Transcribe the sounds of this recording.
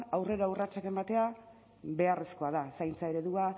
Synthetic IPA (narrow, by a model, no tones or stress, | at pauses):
awre̞ɾaurat͡ʃake̞mbat̪e̞a | be̞are̞sko̞aðasajnt͡saeɾe̞ðua